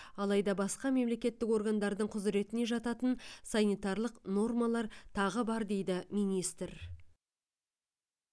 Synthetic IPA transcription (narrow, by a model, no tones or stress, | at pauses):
ɑlˠɑjd̪ɑbɑsqɑme̞mle̞kʲe̞t̪ːɪko̞rɡand̪ɑɾd̪əɴqʰʊzɾe̞t̪ɪne̞ʒɑt̪ɑt̪ənsɑnijt̪ɑrlˠəqno̞rmalˠɑɾt̪ʰɑʁəbɑɾd̪e̞jd̪ɪmijnijst̪ɾ